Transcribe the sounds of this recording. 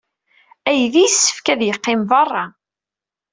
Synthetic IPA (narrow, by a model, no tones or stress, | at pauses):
æjðijsːə̥fkæðjəqːɪmvɑrˤːɑ